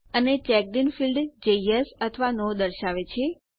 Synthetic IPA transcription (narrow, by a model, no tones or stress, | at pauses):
ənet͡ʃɛk̚ɖinfilɖd͡ʒejesət̪ʰəʋanod̪əɾʃaʋet͡ʃʰe